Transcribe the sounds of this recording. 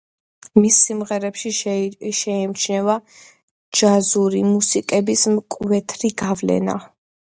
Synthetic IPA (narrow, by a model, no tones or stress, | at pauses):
misːimʁɛɾɛpʃiʃɛɛmt͡ʃʰnɛva | d͡ʒazuɾimusikʼɛbismkʼvɛt̪ʰɾiɡavlɛ̰na̰